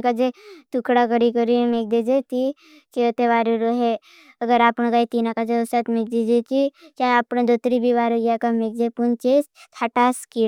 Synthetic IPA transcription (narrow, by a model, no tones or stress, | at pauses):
kad͡ʒet̪ukʰɽakəɽikəɾimeːk̚d̪id͡ʒet̪i | t͡ʃeət̪eʋaːɾuɾoɦɛ | əɡəɾaːpnɡait̪iːnakad͡ʒeosat̪mek̚d̪id͡ʒet̪it͡ʃaapnẽd̪ot̪ɾibʱiʋaːɾuɡakamek̚d͡ʒepunt͡ʃest̪ʰaʈaski